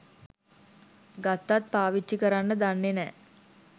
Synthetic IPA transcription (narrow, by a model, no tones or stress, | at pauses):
ɡat̪ːat̪̚paːʋit͡ʃːikəɾanːəd̪anːenɛː